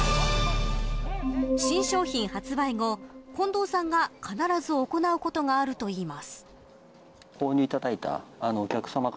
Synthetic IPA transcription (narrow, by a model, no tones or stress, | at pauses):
ɕĩɰ̃ɕo̞ːçĩɰ̃hat͡sɨbaiŋo̞kõ̞nd̪o̞ːsãŋɡakʰanaɾazɨoko̞naɯ̟ko̞t̪o̞ŋaːɾɯ̟t̪o̞iːmasɨ̥ | koːɲ̟ʲɨit̪ad̪ait̪a̰ːnoːkʲakɯ̟̥sama